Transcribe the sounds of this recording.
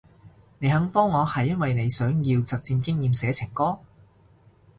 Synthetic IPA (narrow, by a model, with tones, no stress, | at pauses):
ne˨˧jɦɐ˨˥ŋpɔː˥ŋːɔː˨˧hɐ˨jːɐ˥nwɐ˨jne˨˧jsœː˨˥ŋjiː˧wt͡sɐ˨t̚t͡siː˧nkɪ˥ŋjiː˨msɛː˨˥t͡sʰɪ˨˩ŋkɔː˥